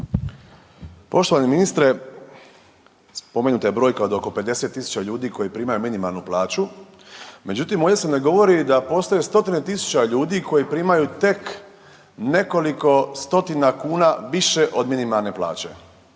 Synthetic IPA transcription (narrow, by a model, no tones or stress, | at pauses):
po̞ʃt̪oʋaɲeminist̪ɾe̞ | spo̞menut̪ajebɾoːjkeo̞d̪o̞ko̞pe̞d̪e̞se̞t̪ːisu̥t͡ɕaʎuːd̪iko̞jipɾiːmajuminimalˠnuplˠaːt͡ʃu | me̞d͡ʑut̪imojesemneɡo̞ʋo̞ɾid̪apo̞st̪ojest̪o̞t̪inet̪isu̥t͡ɕaʎuːd̪iko̞jipɾiːmajut̪e̞k | ne̞ko̞liko̞st̪o̞t̪inakuːnaʋiʃeʔo̞d̪minimalˠne̞plˠa̰ːt͡ɕe̞̰